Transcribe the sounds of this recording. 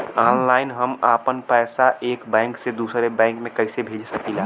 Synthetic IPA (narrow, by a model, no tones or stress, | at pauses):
aːnlaːɪnɦəmaːpənpɛːsaʔeːkbɛ̃ːŋksed̪uːsɾebɛ̃ːŋkmẽkəɪsebʱeːd͡ʒsəkilaː